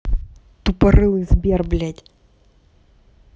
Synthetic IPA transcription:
t̪upɐɾɨlˠɨɣzbʲɛrblʲatʲ

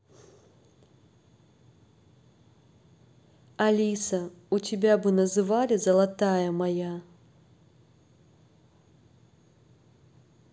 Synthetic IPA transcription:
ɐlʲisɐutʲɪbʲabɨnɐzɨvalʲɪzɐlˠɐt̪ajɐmɐja

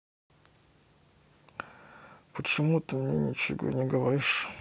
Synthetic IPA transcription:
pət͡ɕɪmut̪əmnʲenʲɪt͡ɕɪ̰ɡo̰nʲɪɡəvɐɾʲiʂ

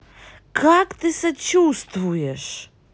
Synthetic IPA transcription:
kʰakt̪ɨsɛt͡ʃust̪vujɛʂ

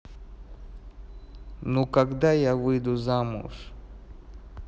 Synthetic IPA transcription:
nokaɡd̪ajavɨjd̪uzamṵʂ

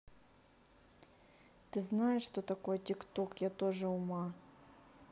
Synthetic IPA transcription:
t̪ɨznajɪʂːt̪ot̪ɐko̞jətʲɪkt̪okjat̪oʐɨʊma

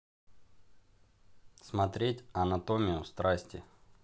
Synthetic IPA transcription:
smɐt̪ɾʲetʲɐnɐt̪omʲɪjʊst̪ɾasʲtʲɪ̰

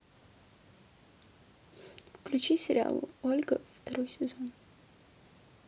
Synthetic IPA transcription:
klʲut͡ʃisʲɾʲa̰l̰ˠɔlʲɡəft̪əɾojsɛzɔn

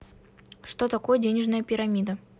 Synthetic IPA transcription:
ʂt̪o̞t̪ɐko̞jədʲenʲɪʐnəjəpʲɪɾɐmʲid̪ə

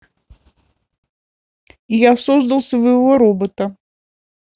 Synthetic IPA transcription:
ijasozd̪əlˠsʲəvəjɪvo̞ɾobət̪ə

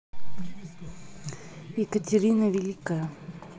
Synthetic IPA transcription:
jɪkətʲɪɾʲinəvʲɪlʲikəjə

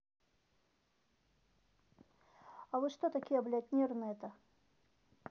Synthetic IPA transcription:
ɐvɨʂt̪ot̪ɐkʲijəblʲat̪ʲnʲernɨɛt̪ə

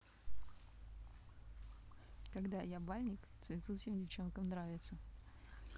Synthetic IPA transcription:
kɐɡd̪ajabalʲnʲɪkt̪svʲɪt̪usʲɪmdʲɪft͡ɕo̞nkəmnɾavʲɪt̪sə

